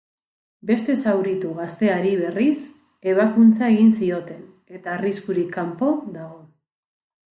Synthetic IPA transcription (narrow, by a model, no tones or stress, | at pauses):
be̞st̪e̞sawɾit̪uɣast̪e̞aɾiβ̞e̞ris | e̞β̞akunt͡sae̞ɣinsio̞t̪e̞n | e̞t̪aːriskuɾikːampo̞ðaɣ̞o̞